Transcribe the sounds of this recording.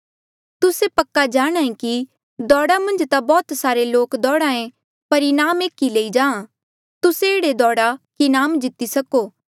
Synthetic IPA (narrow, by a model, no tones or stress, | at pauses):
t̪ʊsepɐkːad͡ʒaːɽ̃ãːẽki | d̪ɔːɽamɐ̃nd͡ʒt̪abɔːt̪saːɾeloːkd̪ɔːɽãːẽ | pɐɾinaːmeːkileid͡ʒãːã | t̪ʊseɪːɽed̪ɔːɽakinaːmd͡ʒɪt̪isɐkoː